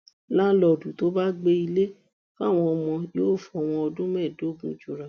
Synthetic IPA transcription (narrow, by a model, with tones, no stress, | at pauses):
la˦lɔ˨dũ˨to˨˦ba˦ɡ͡be˧i˧le˦ | fa˦˨w̃ɔ̃˧ɔ˧mɔ̃˧jo˦˨fɔ˨˦˨w̃ɔ̃˧ɔ˧dũ˦mɛ̃˦˨do˨˦˨ɡũ˨˧˨d͡ʒo˨ɾa˨